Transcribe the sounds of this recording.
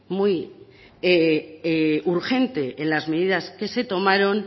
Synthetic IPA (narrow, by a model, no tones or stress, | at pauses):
muj | eeuɾxe̞nt̪e̞ʔenlazme̞ðiðaske̞se̞t̪o̞maɾo̞n